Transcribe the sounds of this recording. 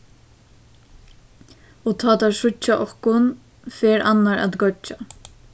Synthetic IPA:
ɔt̪ʰaːt̪asʊt͡ʃːaʔɔhkʊn | feːɾanːaɹa̰t̪ɡœt͡ʃːa

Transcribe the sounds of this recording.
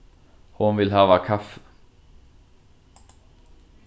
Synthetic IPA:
hʊnʋɪlhɑːʋɑkʰafə̥

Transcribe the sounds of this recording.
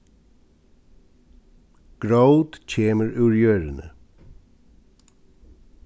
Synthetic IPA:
ɡ̥ɹaʉd̪c͡çeːməɹʉːɹjøːɹənə

